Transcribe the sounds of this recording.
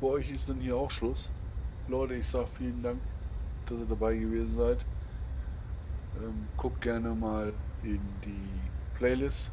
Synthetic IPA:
fyɐʔɔʏçɪstd̥anhiːɐaʊxʃlʊslɔɪtəɪçz̥aːɡəfiːləndaŋkd̥asiːɐdabaɪɡəveːzn̩zaɪt | ʔɛːmkʰʊk̚ɡ̥ɛɐnəmaːlʔɪndiːpʰl̥ɛɪlɪst

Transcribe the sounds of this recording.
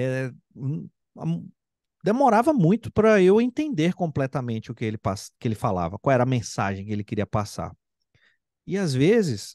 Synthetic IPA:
ɛ | a̰m | d̪emoɾavɐmũj̃t̪ʊ̥pɾɐewẽnt̪ẽnd̪eɾkõplɛt̪ɐmẽnt͡ʃɪʊkɪelɪpaskɪelɪfala̰vɐkwawɛɾɐmẽsa̰ʒẽj̃kɪelɪkɪɾiɐpasa̰ɾ | ɪazvezɪs

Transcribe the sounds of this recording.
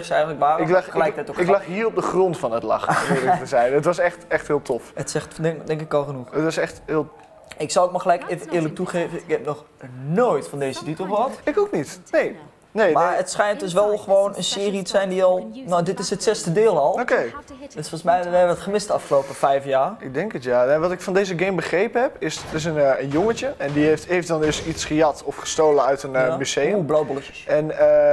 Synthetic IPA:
ksɛjɣənləkʋaːɪkəllɛjk̚ətɛjtoɪklaxɦiːrop̚dəχrɔntfɔnətlɑ̰xmɪətəzɛjnətʋɑsɛxtɛxthɪːlˠtʰɔfətsɛxtɛŋdɛŋkɪkɔlˠxənuxətʋɑsɛxtɦɪːlˠ | ɪksɔwəkmaxəlɛjkeːvəʔɪələk̚tuχeːvəɪkɛp̚nɔx | noːjtfɔndeːzətitəl̩ˠχəɦɑtɪkoknitneː | neːmaətsχɛjnt̚døs̬ʋɛlˠχəʋoːnənsɪːritəsɛjndiɔlˠnodɪtɪsətsɛstədɪːlˠɔlˠokej | døsfɔlˠsmɛjdɛʋətχəmɪstɑfχəloːpəfɛjfjaːɪɡ̚dɛŋkətjaɛʋɔtɪkfɔndeːzəɡejmbəχrejpəɦɛpɪsɪs̬ənənjoŋət͡ʃəɛndieftejftdɔndøsisχəjɑtɔfχə̥stoːlənœɥtənmyseblowbɔlˠət͡ʃə̥ɛnə

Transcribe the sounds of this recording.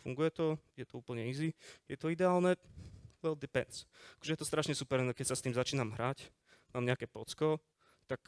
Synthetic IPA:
fṵŋɡujɛt̪ɔjɛt̪ɔuːpl̩ɲɛizijɛt̪ɔid̪ɛaːlnɛwɛld̪ipɛ̰nsakɔʒɛjɛt̪ɔst̪ɾaʃɲɛsupɛɾnɔkɛcsast̪iːmzat͡ʃiːnamɦɾac | maːmɲɛakɛːpɔt͡skɔ | t̪ak

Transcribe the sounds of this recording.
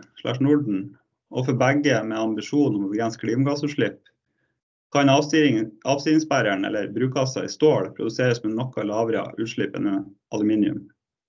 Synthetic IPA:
ʂɭæ̰ʂnʊɖɳ̩ | ʔoːfɔbæɡəmeːɑmbɪʃuːnɔmɔɡɾɛnskʰɽiːmɑɡɑsʉːʂɭɪp | kʰɑn | ʔɑʋst̪ɪːɪŋsbæɾæɳɛ̰lːəɾbɾʉːk̚ɑsɑ̰ḭːst̪oːɽpʰɾʊd̪ʉseːɾəsmɛnɔkːɑlɑːʋɾə̰ʔʉːʃɭɪpə̰nəʔɑ̰lʉmiːnɪʉ̰m

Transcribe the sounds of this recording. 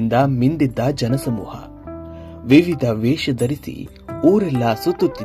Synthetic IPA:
nd̪ɐmind̪id̪ːɐd͡ʒɐnɐsɐmṵːhɐ̰ | ʋiʋid̪ʱɐʋɛːʃɐd̪ɐɾisḭ | uːɾɛlːɐsut̪ːut̪ːi

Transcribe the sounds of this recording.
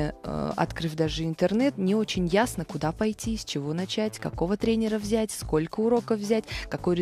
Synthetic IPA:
əə̰ʔɐ̰t̪kɾɨvʲd̪aʐɨɪnt̪ərnɛt̪nʲɪo̞t͡ɕɪnʲjasnəkʊd̪apɐjtʲisʲt͡ɕɪvo̞nɐt͡ɕætʲkɐko̞vət̪ɾʲenʲɪɾəvzʲætʲsko̞lʲkəʊɾo̞kəvvzʲætʲkɐko̞jɾʲɪ

